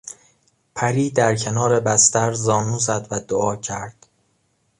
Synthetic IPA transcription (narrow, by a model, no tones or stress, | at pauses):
pʰæɾiːd̪æɾcʰe̞nɒːɾe̞bæst̪æɾzɒːnuːzæd̪væd̪oʔɒːcʰæɾd̪̥